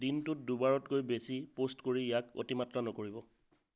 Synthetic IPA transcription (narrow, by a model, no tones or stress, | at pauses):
dintʊt̚dubaɹɔtkojbesipostkoɹijako̰timatɹanɔkoɹibɔ